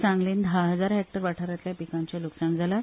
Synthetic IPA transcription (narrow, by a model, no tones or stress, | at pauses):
t͡sãŋɡliːnd̪ʱaɦəd͡zaɾɦɛkk̚ʈəɾʋaʈʰaɾjat̪ljapikãɲt͡ɕjaluksãŋd͡zʱala